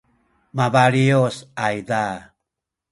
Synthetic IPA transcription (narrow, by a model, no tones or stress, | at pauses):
mavaɾiosajda